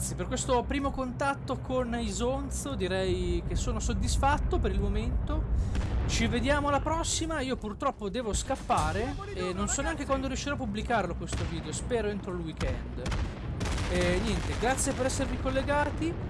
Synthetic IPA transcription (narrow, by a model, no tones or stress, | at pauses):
sːjeperkwest̪opɾiːmokont̪at̪ːokʰonizont̪sod̪iɾɛjk̟esːoːnosod̪ːisfat̪ːopeɾilmoment̪ot͡ʃived̪jaːmolapɾɔsːimaiːopurt̪ɾɔpːod̪ɛːvoskapːaːɾe | enːonsɔneaŋk̟ekwand̪oɾjuʃːiɾɔapːublikaɾlokwest̪oviːd̪eospɛːɾoent̪ɾolwikɛ̰nd̪ | ɛnjɛnt̪eɡɾat̪sːjepeɾɛsːervikolːeɡaːt̪i